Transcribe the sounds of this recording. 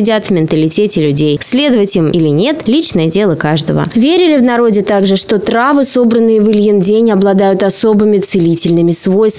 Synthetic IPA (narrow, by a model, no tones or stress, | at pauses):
ɪdʲat̪vmʲɪnt̪əlʲɪtʲetʲɪlʲʉdʲejsʲlʲe̞d̪əvətʲɪiɪmʔilʲɪnʲe̞t̪lʲit͡ɕnəjədʲe̞lˠəkaʐd̪əvə̰vʲeɾʲɪlʲɪvnɐɾo̞dʲɪt̪aɡʐɨʂt̪o̞t̪ɾavɨso̞bɾənːɨjəvɨlʲjɪndʲenʲɐblˠɐd̪ajʊt̪ɐso̞bɨmʲɪt̪sɨlʲitʲɪlʲnɨmʲɪsvo̞jst̪